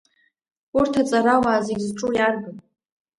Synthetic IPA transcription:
urtʰat͡sʼaɾawaːziɡʲzʈ͡ʂʼujarɡɨn

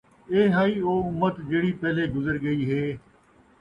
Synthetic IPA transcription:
eːɦaːiːoːʊmət̪d͡ʒeːɽiːpɛːleːɡʊzəɾɡəiːɦeː

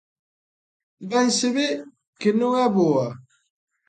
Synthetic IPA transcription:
bɛnsɪbɪ | kɪnʊŋabʊa

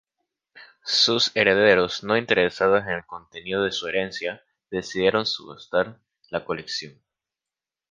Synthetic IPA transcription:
suse̞ɾe̞ðe̞ɾo̞zno̞int̪e̞ɾe̞sað̞ose̞ne̞lko̞nt̪e̞niðoðe̞sue̞ɾe̞nsja | ðe̞siðje̞ɾo̞nsuɣṵst̪aɾ | lako̞le̞ksjo̞n

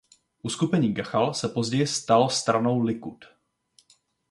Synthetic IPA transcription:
ʔuskupɛɲiːɡaxalsɛpo̞zɟɛjɪst̪alst̪ɾano̞wlɪkut̪

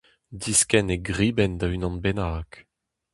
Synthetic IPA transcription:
diskɛneɡʁiːbɛnd̪aynɑ̃nbenaːk

